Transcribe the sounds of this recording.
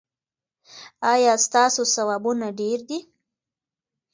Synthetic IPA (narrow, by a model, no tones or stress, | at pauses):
ɑjɑst̪ɑsosawɑbunaɖeɾd̪i